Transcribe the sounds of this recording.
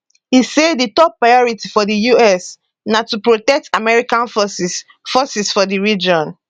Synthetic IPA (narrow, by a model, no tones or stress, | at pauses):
hisedditɔpːɹajɔɹitifɔdijuɛs | natupɹotɛk̚tamɛɹikãnf | fɔsisfɔdiɹid͡ʒɔ̃n